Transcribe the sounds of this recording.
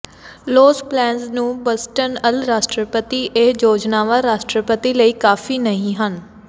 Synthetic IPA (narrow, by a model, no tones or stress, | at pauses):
loːzplɛ̃ːnsnũːbəsʈənəlɾaːʃʈɾəpət̪iːʔed͡ʒoːd͡ʒnaːʋaːɾaːʃʈɾəpət̪iləiːkaːfʰiːnəɦĩːɦən